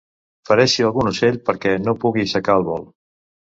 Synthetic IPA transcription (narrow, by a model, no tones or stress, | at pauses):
fəɾɛʃiəlˠɣunuseʎpəɾkɛnopuɣisəkaəlˠβɔl